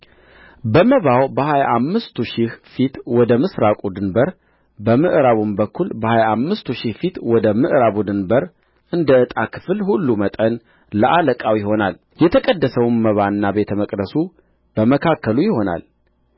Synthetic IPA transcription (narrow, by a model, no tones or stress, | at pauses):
bəməβawbəhajaʔamːɨst̪ʰuʃɪhfit̪wɔd̪əmɨsɾakʼud̪ɨnbəɾ | bəmɨʔɾaβunbəkʰːulbəhajaamːɨst̪uʃɪhfit̪wɔd̪əmɨʔɾaβud̪ɨnbəɾ | ʔɨnd̪əɨt̪ʼakʰɨ̥flhulːumət̪ʼən | ləʔaləkʼawjɪɦo̞nal | jɛt̪ʰəkʼəd̪ːəsəwnməβanːabe̞t̪ʰəməkʼd̪əsu | b̥əməkʰakʰːəlujɪhona̰l